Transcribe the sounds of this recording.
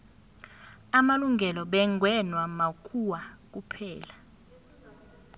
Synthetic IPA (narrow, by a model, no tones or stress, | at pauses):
amaluŋɡʱɛlɔɓɛŋʱwɛnwamakʰuwak̬upʰɛːla